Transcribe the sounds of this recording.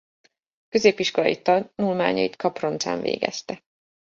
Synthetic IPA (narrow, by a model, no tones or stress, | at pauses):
køzeːpiʃko̞lɒjit̪ɒnulmaːɲɒ̰jit̪kʰɒpro̞nt̪sa̰ːɱvḛːɡɛ̰st̪ɛ